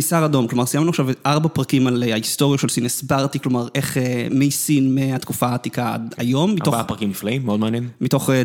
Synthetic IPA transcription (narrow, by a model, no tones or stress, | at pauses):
misaʁado̞mklo̞maʁsijamnuaχʃavʔaʁbapʁakimalaist̪o̞ʁjaʃelsinesbaʁt̪iklo̞maʁʔe̞χemejsinmeat̪kufat̪ikaa̰dajo̞mːittoapʁakimːiflaimːeod̪meanjɛnmit̪o̞χ